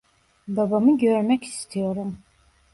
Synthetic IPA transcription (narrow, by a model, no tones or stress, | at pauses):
babamɯɟøɾmɛci̥st̪ʰijo̞ɾum